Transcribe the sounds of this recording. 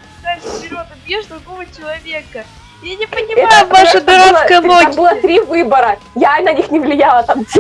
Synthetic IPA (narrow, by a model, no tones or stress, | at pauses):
d̪aɪɾod̪əjʲeʐd̪ɾʊɡovət͡ɕɪlˠɐvʲekə | janʲɪpənʲɪmɛat̪əvaʃəd̪ɐɾalˠsəkəjənoambɨlˠət̪ɾʲivɨbəɾəjanɐnʲixnʲɪvlʲɪjalˠət̪amtʲ